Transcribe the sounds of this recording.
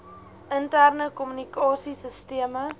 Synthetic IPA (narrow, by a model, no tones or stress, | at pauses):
əntærnəkɔmynikɑːsisəstiəmə